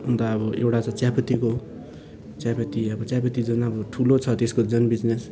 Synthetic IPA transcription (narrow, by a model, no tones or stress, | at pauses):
und̪aʌbʌḛwʈat͡sʌ̃t͡sjapʌt̪iko | t͡sjapʌt̪iʌbʌt͡sjapʌt̪id͡zʌnʌbʌʈʰulot͡sʰʌt̪eskod͡zʌnbid͡znes